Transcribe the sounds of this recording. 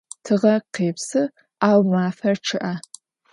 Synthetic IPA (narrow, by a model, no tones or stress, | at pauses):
tʰɨʁɐqeːpsɨ | aːwmaːfɐrʈ͡ʂʰɨʔa